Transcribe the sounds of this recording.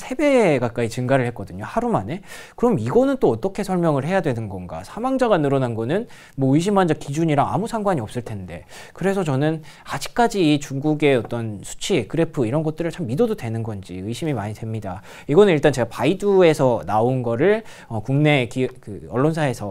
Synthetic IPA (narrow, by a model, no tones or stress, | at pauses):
sʰe̞be̞ɡak͈ait͡ɕɯŋɡaɾɯɭhet̚k͈ʌdɯɲohaɾumane̞kɯɾʌmiɡʌnɯnt͈oʌt͈ʌkʰe̞sʰʌɭmjʌŋɯɭhe̞jadwe̞nɯnɡʌnɡa̰sʰamaŋd͡ʑaɡanɯɾʌnanɡʌnɯn | mwʌɯiɕ̬ʰimːand͡ʑʌkid͡ʑuɲiɾaa̰musʰaŋɡwaɲiʌp̚s͈ɯɭtʰe̞nde̞kɯɾe̞sʰʌt͡ɕʌnɯn | ad͡ʑi̥k̚k͈ad͡ʑiːt͡ɕuŋɡuɡe̞ʌt͈ʌnsʰu̥t͡ɕʰikɯɾe̞pʰɯiɾʌnɡʌt͈ɯɾɯɭt͡ɕʰamːidododwe̞nɯnɡʌnd͡ʑḭɯɕʰimimaɲidwe̞mɲida | iɡʌnɯniɭt͈ant͡ɕe̞ɡapaidue̞sʰʌnaonɡʌɾɯɭ | ʌkuŋne̞kikɯʌɭːonsʰae̞sʰʌ